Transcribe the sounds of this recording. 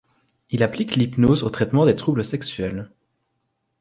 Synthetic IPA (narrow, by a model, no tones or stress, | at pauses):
ilapliklipnozot̪χɛt̪mɑ̃d̪et̪χubləsɛksɥɛl